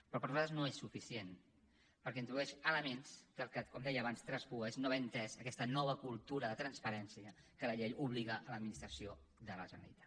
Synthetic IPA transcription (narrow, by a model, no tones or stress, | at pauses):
pɾɔpəɾzaəznoesːufisien | pəɾkɛint̪ɾuðuɛʃələmenskəlˠkəkɔmd̪ɛjəːβanst̪ɾɛspueznoβɛnt̪ɛzəkɛst̪ənɔβ̞əkulˠt̪uɾəðət̪ɾənspəɾɛnsiə | kələʎejuβliɣəʔələd̪minist̪ɾəsio | ðələ̰ʒənə̰ɾḭt̪ḁ